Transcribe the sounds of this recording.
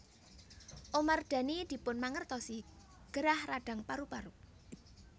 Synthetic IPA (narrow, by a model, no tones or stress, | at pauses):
ʔomard̪̥a̤nid̪̥i̤pʊnmaŋərt̪ɔsi | ɡ̥əɾahraɖ̥ä̤ŋpaɾupaɾu